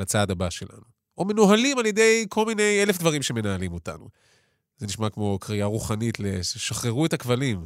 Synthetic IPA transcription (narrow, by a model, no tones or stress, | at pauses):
lat͡sadabaʃe̞̰lʔa̰nu | ome̞noɦalimalje̞dejkʰolmine̞je̞lefd̪vaʁimʃeme̞naalimota̰nṵ | zeniʃmakmo̞kʁiaʁuχanitleʃaχʁeʁuetakvalim